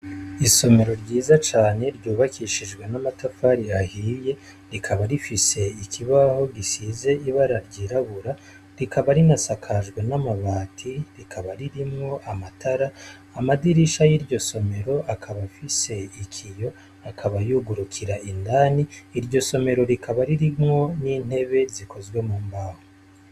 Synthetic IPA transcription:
iso̞me̞ɾo̞ɾɟiːzat͡ʃaːne̞ɾɟuːβakʰiʃiʒɡwe̞namatafaːɾiahiːje̞ | ɾikʰaβaɾifise̞ikʰiβaho̞ɡisize̞iβaɾaɾɟiːɾaβuɾa | ɾikaβaɾinasakʰaʒɡwe̞namaβaːtʰiɾikʰaβaɾiɾimŋo̞ʔamatʰaɾaː | madiɾiʃajiɾɟo̞so̞me̞ɾo̞akʰaβafise̞ikʰijo̞ | akʰaβajuɡuɾukʰiɾaʔindaːniːɾɟo̞so̞me̞ɾo̞ɾikʰaβaɾiɾimŋo̞niːn̥e̞βe̞ziko̞zɡwe̞muːmbaho

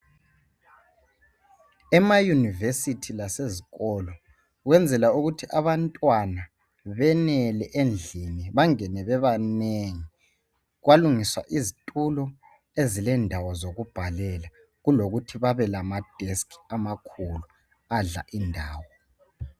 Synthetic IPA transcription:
ɛmajunivesitʰilaseziɣɔlɔ | ɣwɛnd͡zʱɛlauɣutʰiʔaβantʼwana | βɛnɛlɛʔend͡ɮʱiniβaŋɛnɛβɛβaneŋi | ɣwaluŋiswa̰ʔizitʼulɔ | ezilɛndʱawɔzoɣub̥ʱalɛla | ɣuloɣutʰiβaβɛlamad̥ʱeskʰi̥amakʰulu | aɮa̰ʔindʱaːwɔ

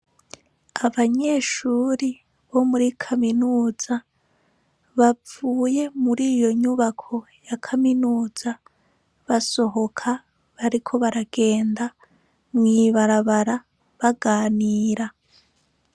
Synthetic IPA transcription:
aβaɲe̞ːʃuːɾi | βo̞muɾikʰaminuːz̥a | βavuːje̞muɾiːjo̞ɲuβakʰo̞ | jakʰaminuːz̥a | βaso̞ɦo̞kʰa | βaɾikʰo̞βaɾaɡ̥e̞ːnda | mŋiːβaɾaβaɾa | βaɡaːniːɾa

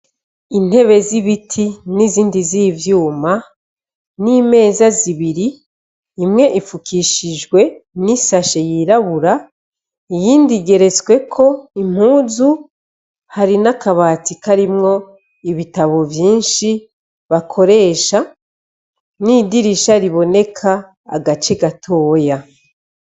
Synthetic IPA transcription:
in̥he̞βe̞ziβitʰiniziːndiziːvjuːma | niːme̞ːzaziβiɾiː | mŋe̞ʔifukʰiʃiʒɡwe̞nisaʃejiɾaβuɾa | ijiːndiɡe̞ɾe̞t͡swe̞kʰo̞im̥huːzu | haɾinakaβatikaɾimŋo̞ | iβitaβo̞vjiːnʃi | βakʰo̞ɾe̞ːʃa | niːdiɾiʃaɾiβo̞ne̞kʰa̰ː | ɡat͡ʃe̞ɡatʰo̞ːja

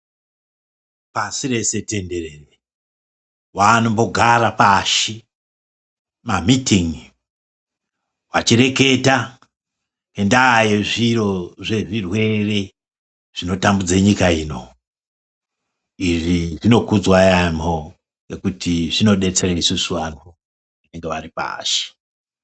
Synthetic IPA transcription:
pasire̞se̞te̞nde̞rere | wanombo̞ɡʱaɾapaʃi | mamitiŋ | wat͡ʃire̞ke̞ta | nendaːjeʐiro̞ʐe̞ʐirwe̞re̞ | ʐ̥ino̞tambud͡zeɲikaiːno̞ | iʐiʐino̞kud͡zwajamo | ŋɡe̞kutʰiʐino̞ɗe̞t͡sereisusuʋano | ine̞ŋɡeʋaripa̰ːʃi̥

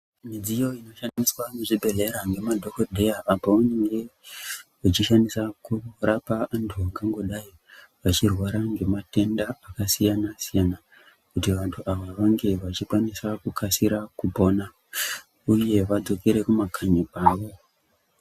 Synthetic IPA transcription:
mid͡zijo̞ino̞ʃandiswaneʐibʱe̞ɮe̞ɾaŋɡe̞madʱo̞kodʱe̞jaʔːpouneŋɡe̞ | ut͡ʃiʃanisakurapaantʰuaŋɡaŋɡo̞ɗaji | ʋat͡ʃirwaɾaŋɡe̞mate̞ndaːkasijanasijana | kutiʋantʰuʔaʋaʋaŋɡe̞ʋat͡ʃikwanisakukʰasiɾakubo̞na | uje̞ʋad͡zo̞keɾe̞kumakʰaɲipaːʋo̞

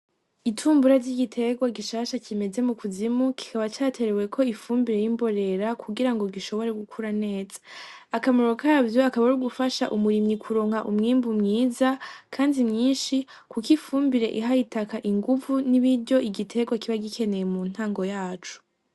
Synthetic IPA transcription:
itʰuːmbuɾaɾɟiɡitʰe̞ɡwaɡiʃaːʃacime̞ze̞mukʰuzimukʰi̥kaβat͡ʃaːtʰe̞ɾe̞we̞kʰo̞ifuːmbiɾe̞jimbo̞ɾe̞ɾakʰuɡiɾaŋɡo̞ɡiʃo̞βo̞ɾeɡukʰuɾane̞ːz̥ḁ | akamuɾokʰavjo̞akaβaɾuɡufaʃaʔumuɾimɲikʰuɾo̞ːŋ̥haʔumŋiːmbumŋiːzakʰaːndimɲiːnʃi | kukifuːmbiɾe̞̰ʔiɦaitakaʔiŋɡuvuniβiɾɟo̞ʔiɡitʰe̞ɡwakiβaɡikʰe̞ne̞jemun̥haːŋɡo̞jaːt͡ʃu̥

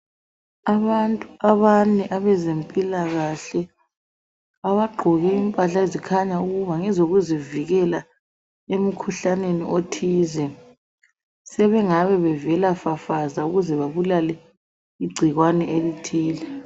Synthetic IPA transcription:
aβantʼuaβanɛʔaβɛzempʼilaɣaɬɛ | aβaɡ͡ǃʱɔɣɛimpʼaɬaezikʰaɲauɣuβaŋɛzoɣuziviɣɛla | em̩kʰuɬaneniʔotʰiːzɛ | sɛβɛŋaβɛβɛvɛlafafazauɣuzɛβaβulalɛ | iɡ͡ǀʱiɣwanɛʔelitʰiːlɛ

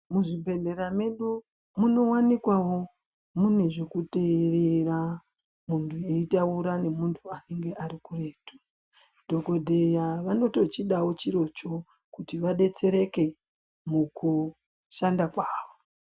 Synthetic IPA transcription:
muʐibʱe̞ɮe̞ɾame̞ɗu | muno̞wanikwawo̞ | mune̞ʐekuterera | muntʰueitauɾane̞muntʰuane̞ŋɡe̞ʔaɾikure̞ːto̥ | dʱo̞ko̞dʱe̞jaʋano̞to̞t͡ʃiɗawo̞t͡ʃiɾo̞t͡ʃo̞ | kutiʋaɗe̞t͡se̞ɾe̞ke̞ | muku | ʃandakwaːʋo

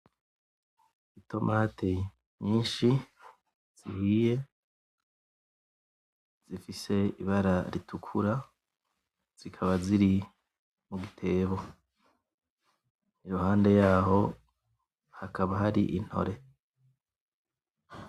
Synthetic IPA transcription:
itʰo̞mʔaːtʰe | ɲiːnʃi | z̥ihije̞ | z̥ifise̞iβaɾaɾitʰukʰuɾa | z̥ikʰaβaziɾi | muɡitʰe̞ːβo | niɾuɦaːnde̞jaːɦo̞ | hakʰaβaɦaɾḭʔin̥ho̞̰ɾe̞

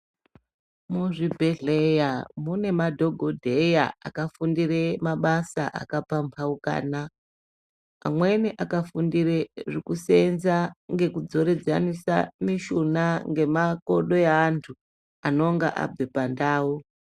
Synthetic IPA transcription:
muʐibʱeɮejamune̞madʱo̞ɡʱodʱejaa̰kafundiremaɓasaʔa̰kapampʰauka̰ːna | mwe̞niʔakafundireʐikusenzaŋɡe̞kud͡zo̞ɾe̞d͡zanisa̰miʃunaŋɡe̞makoɗo̞jaːntʰu | ano̞ŋɡa̰ʔa̰b͡vepandaːu

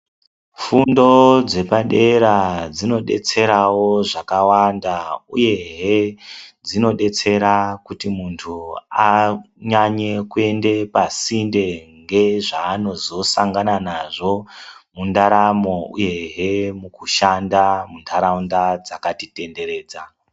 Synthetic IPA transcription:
fundo̞d͡ze̞paɗe̞ɾad͡zino̞ɗe̞̰t͡se̞ɾawo̞ʐakawandauje̞ɦed͡zino̞ɗe̞t͡se̞ɾakutimuntʰua | ɲaɲe̞kue̞nde̞pasinde̞ŋɡe̞ʐaːno̞zo̞saŋɡananaʐo̞mundaɾamo̞ṵje̞ɦemukuʃandamuntʰaɾaundad͡zakatite̞nde̞ɾe̞ːd͡za

